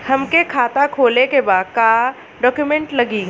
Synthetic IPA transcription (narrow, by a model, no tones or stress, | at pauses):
hɐmkekʰaːt̪akʰoːlekebaːd̪̚kaː | ɖɔːkjumɛ̃ɳʈlɐɡiː